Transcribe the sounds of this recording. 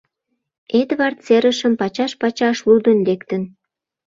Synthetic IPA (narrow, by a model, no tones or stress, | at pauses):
et̪βɑrt̪t͡seɾəʃəmpɑt͡ɕɑʃpɑt͡ɕɑʃlud̪ə̆nlekt̪ən